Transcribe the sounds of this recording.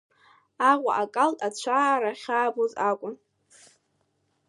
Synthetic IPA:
aʁʷa̰ʔakʼaltʼat͡ɕʷʰaːɾaχʲaːbozakʷʼʊn

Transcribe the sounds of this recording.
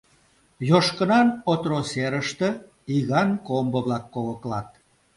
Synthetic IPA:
joʃkə̆nɑnot̪roseɾəʃt̪ə̆ | iɣɑnkombəβlɑkːoləklɑt̪̚

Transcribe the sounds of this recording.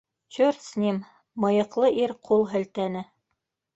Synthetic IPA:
t͡ɕɵrt̪snʲim | mɤ̆jɤ̆qlˠɤʔiɾqʰulˠɦɘ̆lt̪ænɘ

